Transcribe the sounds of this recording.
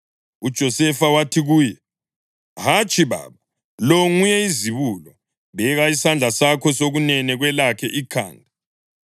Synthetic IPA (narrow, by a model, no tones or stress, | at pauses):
ud̥ʒ̥ʱɔsɛfawatʰiɣuːjɛ | ɦat͡ʃʼiβa̰βa | loŋujɛiziβulɔ | βɛɣaisand͡ɮʱasakʰɔsoɣunɛnɛɣwɛlakʰɛʔikʰa̰ːndʱa